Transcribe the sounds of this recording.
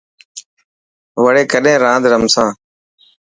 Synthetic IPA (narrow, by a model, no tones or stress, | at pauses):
ʋəɽeːkəɗẽːɾãːnd̪ɾəmsãː